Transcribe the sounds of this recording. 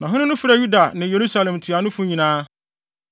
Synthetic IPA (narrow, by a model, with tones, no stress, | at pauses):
nã˨ɦʊ̃˦nɪ̃˦nʊ̃˦fi˦ɾa˨ju˦da˨nɪ̃˨je˨ɾu˦sa˦lɛ̃˨m˨tʰɥa˨nʊ̃˦fʊ̃˦ɲĩ˨nãː˦